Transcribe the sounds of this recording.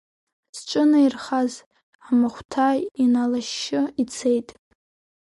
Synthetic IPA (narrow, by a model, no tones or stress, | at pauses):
sʈ͡ʂʷʼɨnairχaz | ʕamaχʷtʰajinalaʃːɪit͡sʰejtʼ